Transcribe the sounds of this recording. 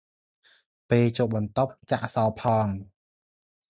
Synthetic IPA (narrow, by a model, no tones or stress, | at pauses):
peːt͡ɕoːʔ̚ɓɑnt̪op̚t͡ɕaʔsɑːpʰɑːŋ